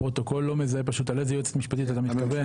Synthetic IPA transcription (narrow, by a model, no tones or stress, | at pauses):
ʁo̞t̪o̞ko̞lːo̞mezaepaʃut̪alezejot͡se̥t̪miʃpat̪it̪at̪amittkave